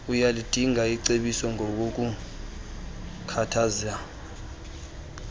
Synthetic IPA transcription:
ujalid̥ʱiŋaiǀeɓisɔŋɔk̬ok̬u | kʰatʰaza

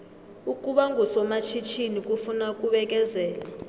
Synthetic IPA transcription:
ukʼuɓaŋʱusɔmat͡ʃʰit͡ʃʰinik̬ʼufunakʼuɓɛk̬ʼɛzɛːla

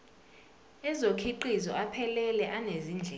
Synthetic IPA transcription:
ɛzokʰiǃizɔ̰ʔapʰɛlɛlɛʔaneziːnd͡ɮʱɛ

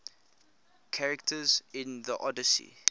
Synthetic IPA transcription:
kʰaɹɛktʰəzɪ̃nðəʔɔdəsḭ

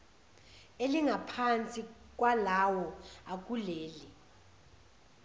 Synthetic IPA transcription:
eliŋʱapʰant͡sʼik̬ʼwalawɔak̬ʼuleːli

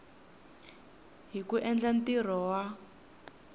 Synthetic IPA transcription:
ɦikuʔɛnd͡ɮantir̤ɔwa

